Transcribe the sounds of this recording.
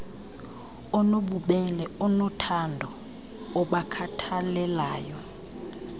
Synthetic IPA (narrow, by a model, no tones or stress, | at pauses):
ɔnoɓuɓɛlɛɔnɔtʰandʱɔ | ɔɓakʰatʰalɛlaːjɔ